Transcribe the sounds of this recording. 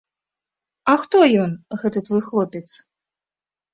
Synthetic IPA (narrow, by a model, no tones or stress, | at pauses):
ɐxt̪ɔjɔnɣɛt̪ɨt̪vɔjxlˠɔpʲɛt̪s